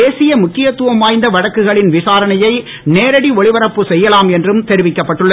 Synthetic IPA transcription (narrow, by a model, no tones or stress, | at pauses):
eːsɪjɐmʊkːɪjɐt̪ːɯʋɐmaːjnd̪ɐʋɐɽɐkːɯɣɐɭɪnʋɪsaːɾɐnɐjɐɪ | neːɾɐɽiɔɭɪʋɐɾɐpːɯsɛjːɐlaːmɛndrɯmt̪ɛɾɪʋɪkːɐpːɐʈːɯɭːɐ